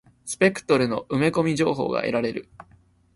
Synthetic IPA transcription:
sɨ̥pʲe̞kɯ̟̥t̪o̞ɾɯ̟no̞ʔɯ̟me̞ko̞mʲiʑo̞ːɦo̞̰ːɡa̰ʔe̞̰ɾaɾe̞ɾɯ̟̰

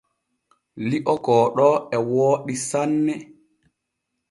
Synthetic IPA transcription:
liʔɔkɔːɗɔɛwoːɗisanːɛ

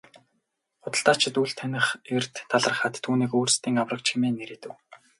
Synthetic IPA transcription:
χʊt̪ə̆ɬt̪aːt͡ɕʰɪ̆t̪uɮt̪ʰːænʲɪ̆χer̥t̪ʰːaɮə̆r̆χaːt̪ʰːuːniːkoːrst̪iːŋawrə̆k̚t͡ɕxemeːnːeɾeːt̪ɘ̆w

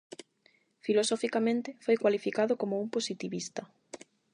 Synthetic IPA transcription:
filosofikamẽnt̪ɪfojkwalifikaðʊkomouŋposit̪iβist̪ɐ

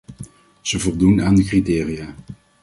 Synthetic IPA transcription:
z̥əvɔlˠdunaːndəkritɪːrijaː

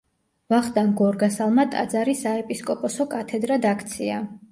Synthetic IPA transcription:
vaχd̪ʼanɡɔɾɡasalˠmat̪ʼa̰d̪zaɾisaɛpʼiskʼɔpʼɔsɔkʼat̪ʰɛd̪ɾad̪akʰt̪sʰia

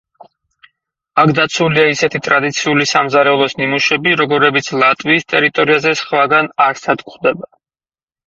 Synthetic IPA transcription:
akʰd̪at̪sʰuliaisɛt̪ʰit̪ʼɾad̪it̪sʰiulisamzaɾɛlˠɔsnimuʃɛbiɾɔɡɔɾɛbit̪sʰlˠat̪ʼviːst̪ʼɛɾit̪ʼɔɾiazɛsχwaɡanaɾsad̪kʼχd̪ɛba

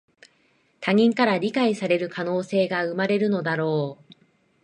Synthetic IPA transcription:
t̪ʰaɲ̟ĩŋkaɾaɾʲikaisaɾe̞ɾɯ̟kʰano̞ːse̞ːɡaɯ̟maɾe̞ɾɯ̟no̞d̪aɾo̞ː

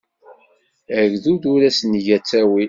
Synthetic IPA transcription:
əɡðud̪uɾæsnʝæt͡sːæwi

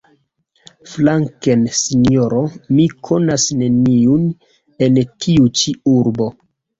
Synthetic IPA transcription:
flaŋkensinjoɾo̞mikʰo̞nasne̞niun | entʰiut͡ʃiuɾbo̞

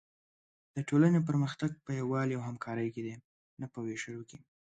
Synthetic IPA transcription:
d̪̥əʈolanep̬əɾməxt̪aɡ̚pəjawɑljawɦamkʰɑɾəjked̪e | napəweʃəjoki

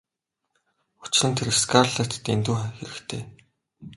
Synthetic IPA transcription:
u̥t͡ɕrɘ̆nt̪ʰeɾskʰarɮăt̪̆t̪ḛnt̪uːxeɾɘ̆kt̪ʰeː

